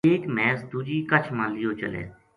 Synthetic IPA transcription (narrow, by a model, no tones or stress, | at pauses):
eːkmɛːsd̪uːd͡ʒiːkət͡ʃʰmãːliːoːt͡ʃə̰lḛː